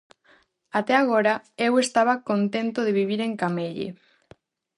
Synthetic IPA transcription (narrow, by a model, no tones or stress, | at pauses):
at̪ɛaɣ̞oɾaewest̪aβ̞ɐkont̪ent̪oðeβiβ̞iɾeŋkameʎḛ